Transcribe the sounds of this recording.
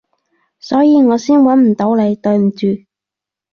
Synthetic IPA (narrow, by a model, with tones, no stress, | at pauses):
sɔː˨˥jiː˧ŋɔː˨˧siː˥nwɐ˨˥nm̩˨˩t̪o˨˥wle˨˧jt̪ɵ˧ɥm̩˨˩t͡ʃyː˨